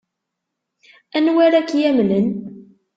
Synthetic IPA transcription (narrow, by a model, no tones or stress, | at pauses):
ænwæɾakjæmlən